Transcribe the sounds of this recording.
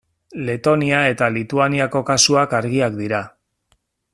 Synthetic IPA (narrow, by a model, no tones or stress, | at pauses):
le̞t̪o̞niae̞t̪alit̪uaniako̞kasuakaɾɣ̞iakd̪iɾa